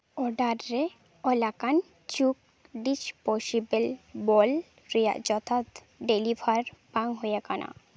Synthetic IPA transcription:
ɔɖaɾːe | ɔlakan | t͡ɕuk̚ | ɖisposibelbɔl | ɾija̰d͡ʑɔt̪ʰat̪ | ɖelibʱaɾbaŋɦojekana̰

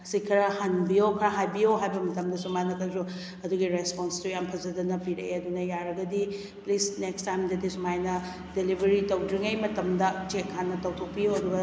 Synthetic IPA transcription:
sikʰːɐɾɐhanbijokʰɾaɦajbijoɦajbɐmɐtɐmdɐsumanɐkʰɐzu | ɐduɡiɾesponstujampʰɐzɐdɐnɐpiɾḛjɐdunɐjaɾɐɡɐdi | plisnekstajmdɐdisumajnɐ | delibʱɐɾitɐwdɾiŋejmɐtɐmdɐt͡ʃekʰːanːɐtɐwtʰok̚pioɐɾuɡɐ

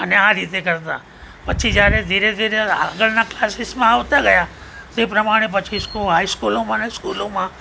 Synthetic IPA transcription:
əneãːɾiːt̪ekəɾt̪a̰ | pɐt͡ʃʰid͡ʒaːɾed̪ʱiːɾed̪ʱiːɾea̰ːɡəlnaklaːsɪsmãoʋt̪aɡɐja | t̪eːpɾɐmaːɽ̃ep̬ɐt͡ʃʰiskoɦaːiskuːlõmãnaskuːlõmã

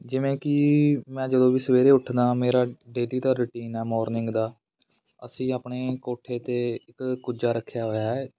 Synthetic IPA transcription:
d͡ʒɪʋẽːkɪmɛ̃ːd͡ʒəd̪õːʋiːsəʋeːɾeːʊʈʰd̪aːmeːɾaːɖeːliːd̪aːɾɪʈiːnɛːmɔːɾnɪ̃ŋɡd̪aː | əsĩːaːpɳeːkoːʈʰːeːt̪eːɪkkːʊd͡ʒaːɾəkʰːjaːɦoːjaːɛː

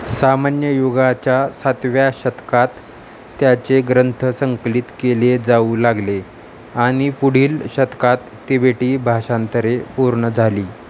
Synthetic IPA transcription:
samanjəjoɡat͡ɕjasat̪ʋjaɕət̪kat̪ː | jat͡seɡɾənt̪ʰəsəŋklit̪keled͡zauːlaɡle | aɽ̃ipuɽ̤iːlɕət̪kat̪ːebʱeʈiːbʱaɕant̪əɾepuɾɳəd͡zʱaliː

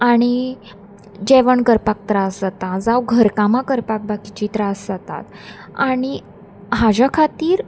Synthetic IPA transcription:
aɽ̃i | d͡ʑɛʋəɳkəɾpak̚t̪ɾasd͡zat̪ãd͡zawɡʱəɾkamãkəɾpak̚bakit͡ɕit̪ɾasd͡zat̪a̰t̪ | aɽ̃i | ɦad͡ʑakʰat̪iːɾ

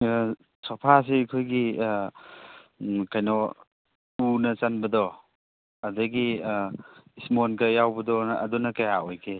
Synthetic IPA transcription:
sɔpʰas̬eikʰojɡi | kajnɔ | unɐt͡ʃanbɐd̪ɔ | ɐdɐɡi | ismonkɐjawbɐdɔɐ̰dunɐkajaojkʰe

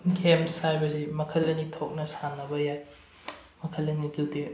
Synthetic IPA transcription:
ɡʱemsajbɐzimɐkʰɐlɐnitʰok̚nɐsanːɐbɐjaj | mɐkʰɐlɐnidute

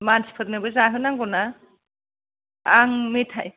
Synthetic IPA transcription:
manspʰɯɾnɯbɯzaɦɯnaŋɡɔna | aŋmetʰa̰j

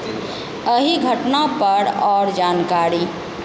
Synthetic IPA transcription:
əɦiɡʱəʈnapəɾɔːɾd͡ʒaːnkaɾi

